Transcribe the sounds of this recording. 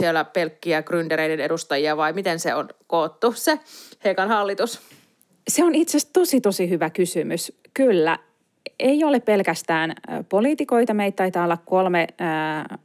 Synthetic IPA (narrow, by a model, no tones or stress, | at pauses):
ielːæpelkːiækrynd̪eɾeidenedust̪ɑjiɑʋɑimit̪enseonkoːt̪ːusehekɑnhɑlːit̪us | seonit̪sest̪osit̪osihyʋækysymys | kylːæ̰ | eioleppelkæst̪æːnpoliːt̪iko̞it̪ɑmeit̪t̪ːɑit̪ɑːolːɑkkolme